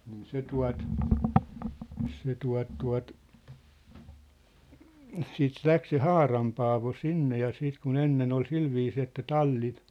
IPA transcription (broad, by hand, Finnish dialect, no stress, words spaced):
niː se tuɑ̝t se tuɑ̝t tuɑ̝t siːt læk se hɑːrɑm pɑːʋo sinːe jɑ siːt kun enːen ol silʋiːsiː etːæ tɑlːi